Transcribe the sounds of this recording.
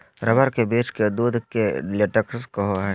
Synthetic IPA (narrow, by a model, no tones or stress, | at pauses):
ɾɐbəɾkebeːt͡ʃked̪uːd̪keleʈəkskɐɦoɦ